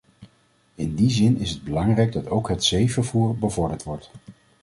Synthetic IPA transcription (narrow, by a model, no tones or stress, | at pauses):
ɪndizɪnɪsɦəd̚bəlɑŋrɛjɡ̚dɑtowkɦətsejvəɹvuːɹbəvɔɹdəɹtʋɔɹt